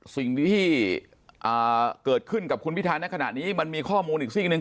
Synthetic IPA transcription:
si˨˩ŋt̪ʰiː˥˩ | ʔaː˨˩kɤː˨˩t̪̚kʰɯ˥˩nka˨˩kʰu˧npʰi˦˥t̪ʰaː˧nːa˦˥kʰa˧na̰˨˩t̪̚niː˦˥ma˧nmiː˧kʰɔː˥˩muː˧nʔiː˨˩k̚si˥˩nɯ˨˧ŋ

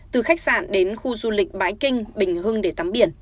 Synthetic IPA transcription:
t̪ɨ˨˩xa˦˥jk̟̚sa̰ː˧˨nɗe˨˦nxu˧zu˧lï˨˩k̟̚ɓaː˨˦jkï˧ŋ̟ɓï˨˩ŋ̟hɨ˧əŋɗe˧˩t̪a˨˦mɓi˧˩ən

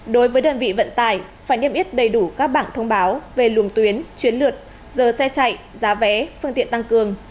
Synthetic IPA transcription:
ɗo˨˦jvəː˨˦jɗəː˨˧˩nvḭ˧˨və̰˧˨nt̪aː˧˩jfaː˧˩jni˧əmʔi˦˥t̚ɗə˨˩jɗu˧˩kaː˦˥k̚ɓaː˧˩nt̪ʰə˧wŋ͡mɓaː˨˦wve˨˩lu˨˩əŋt̪wi˨˦ənt͡ɕwi˨˦ənlɨ˨˩ət̚ | zəː˨˩sɛ˧t͡ɕa̰˧˨jʔ | zaː˨˦vɛ˨˦fɨ˧ŋt̪ḭ˧˨ənt̪a˧ŋkɨ˨˩əŋ

